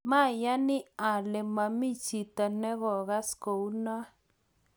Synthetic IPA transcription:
mã˦˨ja˦nĩ˦a˨le˨mã˧mĩ˦t͡ʃi˨t̪a˧nẽ˦ɣo˨ɣa˦sko˨u˦nã˦

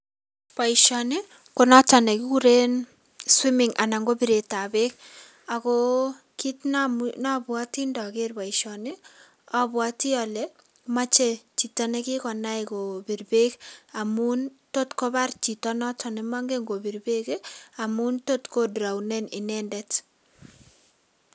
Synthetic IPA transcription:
pa˨iʃɔnɪ˦ | ko˦na˦ta˨ne˨kɪ˦ku˦ɾe˦n | swi˦mɪŋʔa̰˨na˨ŋɡo˦bi˦ɾe˨ta˨be˦k̚ | a˨ko | ki˦tnanabwa˦ti˦ndɔ˨ke˦rba˨iʃɔnɪ˦ | ɔ˨bwa˦ti˦ɔ˨lɛ | ma˦t͡ʃe˨t͡ʃi˨ta˦nɛ˦kɪ˦kɔ˨na˦iko˨bi˨rbe˦ka˨mu˦nto˦tko˦ba˦rt͡ʃi˨tɔnɔ˦tʰɔ˨nɛ˨ma˦ŋɡe˦ŋɡo˨bi˨ɾbe˦ke˦a˨mu˦nto˦tko˦dɾa˨wnɛ˦nɪ˨nɛ˦ndɛ˦t

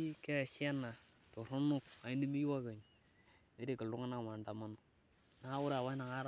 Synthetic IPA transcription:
kɛ˦˨ʃja˦na˨ | to˨ɾʊ˦nʊ˦ka˨i˦ni˦mi˦jwa˦ka˨ɲ | e˦ɾe˨kə˨lʊ˦ŋa˦na˦˨ma˨nda˨ma˦nʊ˦ | na˨a˦wʊ˦ɾwa˦na˨ŋa˦ɾ

